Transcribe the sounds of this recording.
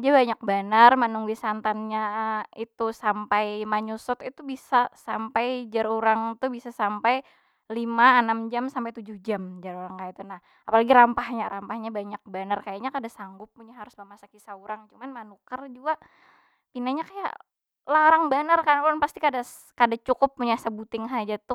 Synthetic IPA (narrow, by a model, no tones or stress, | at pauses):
d͡ʒabaɲak̚banarmanuŋwisant̪anɲait̪usampajmaɲusɔt̪it̪ubisasampajd͡ʒaɾuɾaŋt̪ubisasampaj | limaːnamd͡ʒamsampajt̪ud͡ʒʊhd͡ʒamd͡ʒaɾuɾaŋkajait̪unah | apalaɡiɾampahɲaɾampahɲabaɲak̚banarkajaɲakadasaŋɡʊpːuɲaɦaɾʊsmamasakisauɾaŋt͡ʃumanmanukərd͡ʒuaʔ | pinaɲakaja̰ʔ | laɾaŋbanərkajpuɾanpast̪ikadas | kadat͡ʃukʊpːuɲasəbut̪ɪŋɦad͡ʒat̪ʊ